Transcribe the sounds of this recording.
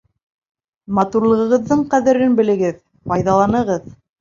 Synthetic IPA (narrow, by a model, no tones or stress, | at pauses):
mɑt̪uɾlˠɤ̆ʁɤ̆ʁɤ̆ðːɤɴqæðɘ̆ɾɘnbɘ̆lɘ̆ɡɘð | pɑjðɑlˠɑnɤ̆ʁɤð